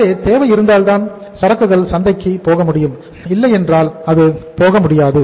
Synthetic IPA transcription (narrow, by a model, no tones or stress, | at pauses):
eːt̪eːʋɐjɪɾɯnd̪aːlt̪aːnsɐɾɐkːɯɣɐɭsɐnd̪ɐɪkːipoːɣɐmʊɽɪjɯm | ɪlːɐjɛndraːlɐðɯpoːɣɐmʊɽɪjaːðɯ